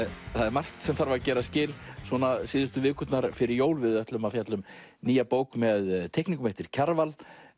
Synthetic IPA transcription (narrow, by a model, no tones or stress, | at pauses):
θaðɛɾmar̥t̪sɛmθaɾvaɾcɛːɾascɪːlsɔnasɪːðʏst̪ʏvɪːkʏt̪naɾfɪɾɪɾjoːwlvɪðœht̪lʏmafjat̪lʏmniːjapoːwkmɛðt̪ʰɛhkniŋkʏmejht̪ɪɾ̥cʰaɾval